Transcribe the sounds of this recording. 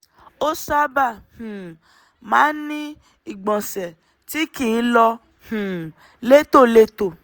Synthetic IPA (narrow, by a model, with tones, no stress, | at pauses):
o˦sa˦ba˦˨hũ˨ | mãː˨˦nĩ˦ | i˦˨ɡ͡bɔ̃˨sɛ˨ | ti˦ki˦˨˦lɔ˧ | hũ˨ | le˦to˦˨le˧to˨